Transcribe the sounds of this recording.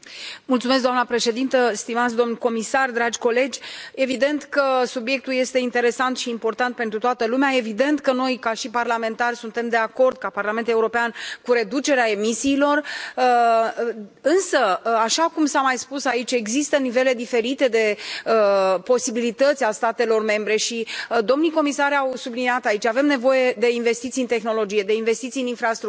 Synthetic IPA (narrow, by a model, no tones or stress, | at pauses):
mult̪sumes̬ɡd̪oamnəpɾe̞ʃe̞d̪int̪əst̪imat̪sʲd̪o̞mnuko̞misard̪ɾad͡ʒʲko̞le̞d͡ʒʲe̞vid̪e̞nt̪kəsubje̞k̚t̪ulje̞st̪e̞int̪e̞ɾe̞sant̪ʃiːmpo̞rt̪ant̪̚pe̞nt̪ɾut̪oat̪əlumeaevid̪e̞nt̪kəno̞jkaʃiparlame̞nt̪arʲsunt̪e̞md̪e̞ako̞rd̪̚kaparlame̞nt̪uleuɾo̞peankuɾe̞d̪ut͡ʃe̞ɾeae̞misiːlo̞r | ɨnsəaʃakumsamajspusait͡ʃʲe̞ɡzist̪ənive̞le̞d̪ife̞ɾit̪e̞d̪e̞əpo̞sibilit̪ət̪sʲast̪at̪e̞lo̞rme̞mbɾe̞ʃid̪o̞mnijko̞misaɾʲawsubliniat̪ait͡ʃave̞mne̞vo̞je̞d̪e̞inve̞st̪it̪siɨnt̪e̞xno̞lo̞d͡ʒije̞d̪e̞inve̞st̪it̪sijɨninfɾast̪ɾu